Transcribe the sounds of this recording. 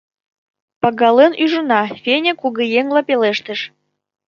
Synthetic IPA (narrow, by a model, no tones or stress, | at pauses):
pɑɡɑlənyʒunɑfʲenʲekuɣɤ̆jeŋlɑpeleʃt̪ə̆ʃ